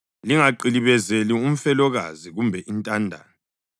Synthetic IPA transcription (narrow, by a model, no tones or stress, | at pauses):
liŋaǃiliβɛzelium̩fɛlɔɣa̰ziɣumbʱɛʔintʼandʱa̰ːnɔ